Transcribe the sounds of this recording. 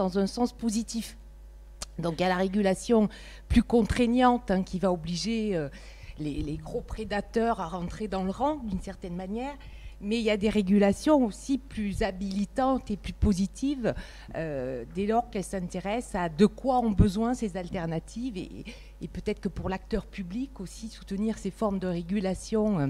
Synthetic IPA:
d̪ɑ̃zɛ̃sɑ̃spozit̪if | d̪ɔ̃kiljalaʁeɡʲylasjɔ̃ | plykɔ̃t̪χenjɑ̃t̪ɛ̃kʲʰivaobliʒeø | leleɡʁopχed̪at̪œʁaʁɑ̃t̪χed̪ɑ̃ləʁɑ̃d̪ynsɛʁt̪ɛnmanjɛːʁ | mɛiljad̪eʁeɡylasjɔ̃osiplyzabilit̪ɑ̃t̪eplypozit̪ʰiv | ød̪ɛlɔʁkɛlsɛ̃t̪eʁɛsad̪əkwaɔ̃bəzwɛ̃sezalt̪ɛʁnat̪ʰivḛ | epøt̪ɛt̪χə̥kəpuʁlak̚t̪œʁpyblikosisu̥t̪əniʁsefɔʁmd̪əʁeɡʲylasjɔ̃ø

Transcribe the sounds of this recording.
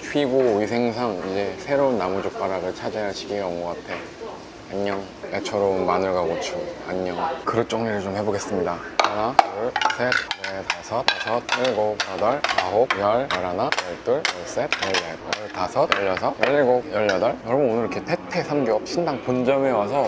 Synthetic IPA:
ɕʰɥiɡoisʰe̞ŋs̬ʰaŋid͡ʑe̞sʰe̞ɾounːamud͡ʑok̚p͈aɾaɡɯɭt͡ɕʰad͡ʑeɦaɭɕʰi̥ɡʰiɡʌmɡʌɡatʰe̞ | aɲːʌŋ | et͡ɕʰʌɾounmanɯɭɡaɡot͡ɕʰoaɲːʌŋkɯɾʌt͡ɕ͈ʌŋɲiɾɯɭt͡ɕomhe̞boɡe̞s͈ɯmɲidakɯʌnaɯɭsʰet̚wetasʰʌtasʰʌt̚jʌɭɡop̚jadʌɭkaɦok̚jʌɭjʌɾanajʌɭt͈ɯɭjʌɭs͈et̚jʌɭːejʌɭtasʰʌtjʌʎːʌsʰʌjʌʎːiɡojʌʎːadʌɭjʌɾʌbnonɯɾkʰetʰetʰe̞sʰamɡeʌp̚ɕʰindaŋpond͡ʑʌme̞wasʰʌ

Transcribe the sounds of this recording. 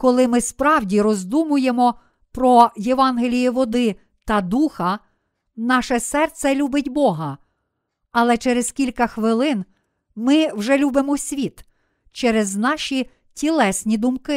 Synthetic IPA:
kɔlˠɪmɪspɾɑwdʲiɾɔzd̪umʊjemɔ | pɾɔjeʋɑnɦelʲijiʋɔd̪ɪ | t̪ɐd̪uxɐ | nɑʃɛsɛrt̪sɛlʲubɪtʲbɔɦɐ | ɐlˠɛt͡ʃɛɾez̥kʲilʲkɐxʋɪlˠɪn | mɪwʒɛlʲubemɔsʲʋʲit̪ | t͡ʃɛɾeznɑʃʲi | tʲilˠɛsʲnʲid̪ʊmkɪ

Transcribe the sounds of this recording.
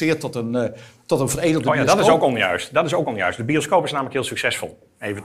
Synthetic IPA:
ɪːtɔtəntɔtənvərejdəlˠdjadɑtɪowkɔnjœ̰ɥstdɑtɪsowkɔnjœ̰ɥstdəbioskowpɪsnaːmələkɦɪːlˠsyksɛsfɔ̰lˠ | ejvə

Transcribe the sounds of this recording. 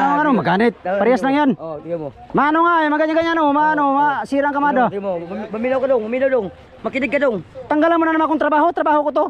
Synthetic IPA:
anŋanuŋmaɡanit̪̚paɾiasnaŋian | manɔŋamaɡaɲaɡaɲanumanɔmasiɾaŋkamadamamilakadɔŋmaminadɔŋ | makiniɡadɔŋt̪aŋɡalamunanamakuŋt̪əɾbaɦut̪əɾabaɦukut̪u

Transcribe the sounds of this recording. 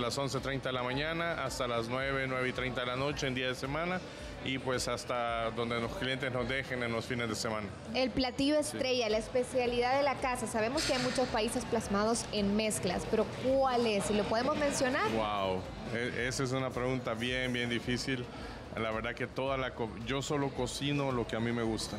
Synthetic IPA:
laso̞ns̬et̪ɾejnt̪aðelamãɲanaʔast̪alaznweβe̞nweβeit̪ɾejnt̪aðelano̞t͡ʃeeːnd̪iaðese̞mãna | ipwe̞sast̪aðo̞nd̪elosklijent̪̬ezno̞zd̪e̞xenenlosfine̞zðesemãna | e̞lplat̪ioest̪ɾe̞ʝalaespe̞sjaliðaðelakasasaβ̞e̞mo̞skeajmut͡ʃo̞spaise̞splazmaðo̞se̞nme̞skla̰speɾo̞kwale̞silo̞poðemo̞zmẽ̞nsjo̞naɾwaw | eesaes̬unapɾeɣunt̪aβjenbje̞nd̪ifisil | laβe̞ɾðake̞t̪o̞ðalakoɟ͡ʝo̞so̞lo̞ko̞sino̞lo̞ke̞amime̞ɣust̪a

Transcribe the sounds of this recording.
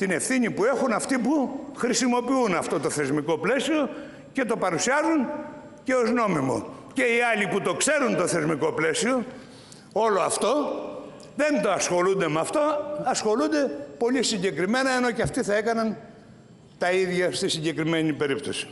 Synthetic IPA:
t̪ine̞fθiɲipue̞xunɐft̪ipuxɾisimo̞piunɐft̪o̞t̪oθe̞zmiko̞ple̞sio̞ | ce̞t̪o̞pɐɾusiɐzun | ce̞o̞zno̞mimo̞̰ | ce̞iɐliput̪o̞kse̞ɾunt̪o̞θe̞zmiko̞ple̞sio̞ | o̞loɐft̪o̞ | ðe̞nt̪o̞ɐsxo̞lund̪e̞meɐft̪o̞ɐsxo̞lund̪e̞po̞lisiɲɟe̞kɾime̞nɐeno̞ceɐft̪iθɐe̞kɐnɐn | t̪ɐiðʝɐst̪isiɲɟe̞kɾime̞nipe̞ɾipt̪osi̥

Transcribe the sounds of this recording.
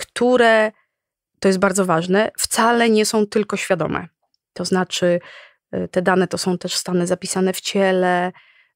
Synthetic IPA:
kt̪ʰuɾɛ | t̪ɔjɛt̪̚baɾd̪zɔvaʐnɛft̪salɛɲɛsɔ̃w̃t̪ɘlkɔɕfʲjad̪ɔ̰mʔɛ̰ | t̪ɔznat͡ʂɘ | t̪ɛd̪anɛt̪ɔsɔ̃w̃t̪ɛʂst̪anɘzapʲisanɛft͡ɕɛlɛ

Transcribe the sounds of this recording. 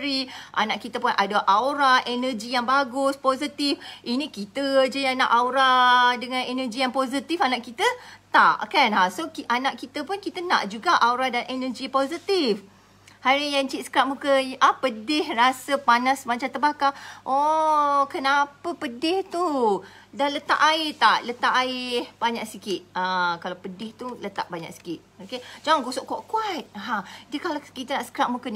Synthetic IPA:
ɾiʔa̰naʔkit̪əpʊnadaʔawɾaʔɛnəd͡ʒijaŋbaɡʊspozit̪ifʔinĩkit̪əd͡ʒadiana̰ʔawɾadəŋãnɛnəd͡ʒijaŋpozit̪ifanaʔkit̪ət̪a̰ʔkanasokiʔanaʔkit̪əpʊnkit̪əna̰ʔd͡ʒuɡaʔauɾadanʔɛnəd͡ʒipozit̪if | haɾijaŋt͡ʃit̪̚skɾap̚mukəʔapədɪhrasəpanãsmat͡ʃãt̪əbahkaʔokənapəpədɪht̪u | dalət̪a̰ʔaɪt̪aʔlət̪aʔaɪhbaɲaʔ̚sikɪt̪̚akalawpədɪht̪ulət̪a̰ʔ̚baɲa̰k̚si̥kit̪̚oked͡ʒaŋaŋɡosoʔkɔʔkuat̪̚ɦadəkalakit̪ənaʔsə̥kɾaʔ̚mukən

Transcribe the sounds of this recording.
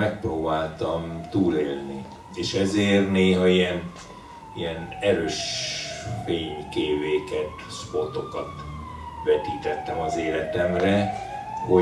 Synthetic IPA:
ɛk̚proːbaːlt̪ɒmt̪uːleːlni | eːʃɛzeːrneːɦɒijɛn | ijɛnɛɾøːʃ | feːɲkeːveːkɛt̪spot̪o̞kɒt̪ | vɛt̪iːt̪ɛt̪ːɛmɒzeːlɛt̪ɛmrɛho̞

